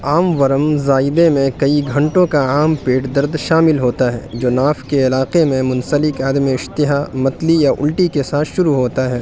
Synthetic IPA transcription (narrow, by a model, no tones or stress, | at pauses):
aːmʋɐɾəmzaːɪd̪emẽkɐiɡʱɐ̃ɳʈõkaaːmpeːʈd̪ɐɾd̪ʃaːmɪlɦoːt̪aɦɛ̰ːd͡ʒoːnaːfkeɪlaːqemẽmʊ̃nsəlɪkaːd̪meɪʃt̪ɪɦamɐt̪lijaʔʊ̰lʈikesaːt̪ʰʃʊɾuɦoːt̪aɦɛː